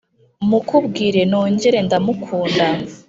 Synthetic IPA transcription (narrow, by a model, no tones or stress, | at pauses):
mukubɡiːɾe̞no̞ːɲɟe̞ɾe̞ndamukʰuːnda